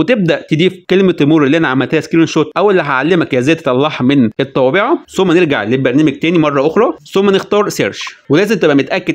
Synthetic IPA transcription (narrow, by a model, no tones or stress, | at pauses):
wet̪eb̚d̪æʔt̪ed̪iːfkelmet̪ːemuːɾˤelːiʔænæʕamːælt̪æhæskilenʃoːt̪ˤʔæwelːeɦaʕalːemækjæzæːæt̪et̪ʔɑlˤːɑħmenʔet̪ˤːɑbeʕɑsomːæneɾɡa̰ʕlebæɾˤnæːmeɡ̚t̪æːnimɑrˤːɑʔoxɾˤɑsomːænext̪ɑːɾˤseɾʃwelæːzemt̪æbʔæmet̪ʔækːed̪